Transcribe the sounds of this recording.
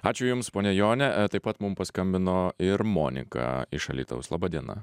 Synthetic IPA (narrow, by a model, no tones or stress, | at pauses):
ɑːt͡ʃʲʊjʊmspoːnʲɛjoːnʲɛt̪ɐɪpɐt̪mʊmpɐskɐmʲbʲɪnoːɪɾmo̰ːnʲɪ̰kɑ̰ɪʃɐ̰lʲḭːt̪ɐ̰ʊslˠɑːbɐd̪ʲiɛnɐ̰